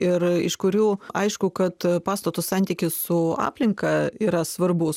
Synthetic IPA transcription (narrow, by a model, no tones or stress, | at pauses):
ɪɾɪ̰ʃkʊɾʲuːɐɪʃkʊkɐt̪pɑːst̪ɐt̪ossɑnʲt̪ʲiːkʲɪssʊɑ̰ːpʲlʲɪŋkɐiːɾɐsʋɐrbʊs